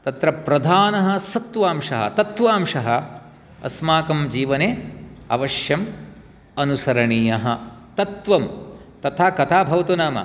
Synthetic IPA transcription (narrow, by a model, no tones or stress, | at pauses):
t̪ɐt̪ɾɐpɾɐd̪ʱaːnɐɦɐ̆sɐt̪ʋaːmʂɐɦɐ̰t̪ɐt̪ʋaːmʂɐɦɐ | ɐ̰smaːkɐmd͡ʒiːʋɐneːɐ̰ʋɐʂjɐm | ɐnusɐɾɐɳiːjɐɦɐt̪ɐt̪ʋɐmt̪ɐt̪ʰaːkɐt̪ʰaːbʱɐʋɐt̪unaːmɐ̰